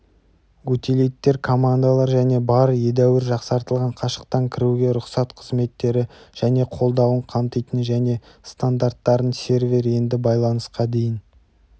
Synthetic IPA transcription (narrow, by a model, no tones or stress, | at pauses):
wɵt̪elejt̪ːe̞ɾkʰo̞mand̪alˠɑɾʒæne̞bɑɾəje̞d̪æwɪɾʒɑqsɑɾt̪əlˠʁɑɴqʰɑʃə̥q̚t̪ɑŋkʲʰɪɾuɡʲe̞ɾʊqsɑt̪qʰəzme̞t̪ːe̞ɾɪʒ̥æne̞qʰo̞lˠd̪ɑwəɴqʰɑmt̪əjt̪ənʒæne̞ | st̪and̪art̪ːɑɾənsʲe̞ɾvʲe̞ɾe̞nd̪ɪbɑjlˠɑnəsqɑd̪e̞jɪn